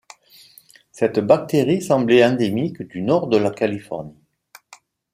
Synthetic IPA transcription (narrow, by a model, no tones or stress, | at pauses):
sɛt̪bak̚t̪eʁisɑ̃blɛɛ̃d̪emikd̪ynɔʁd̪əlakalifɔ̰ʁni